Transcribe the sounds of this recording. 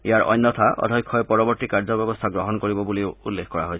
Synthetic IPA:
ijaɹɔ̰jnːɔt̪ʰaʔɔ̰d̪ʱɔjkʰːɔjepɔɹɔbɔɹt̪ikaɹzɔbjɔbɔst̪ʰaɡɹɔɦɔnkoɹibɔbulioulːekʰkɔɹaɦojʰ

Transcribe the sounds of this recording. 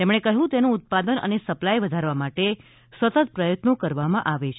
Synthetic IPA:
t̪emɽ̃ekəɦũt̪enũːt̪̚pad̪ənə̰nesəplajʋəd̪ʱaɾʋamaʈe | sʋət̪ət̪̚pɾəjət̪nokəɾʋamãʔaʋet͡ʃʰ

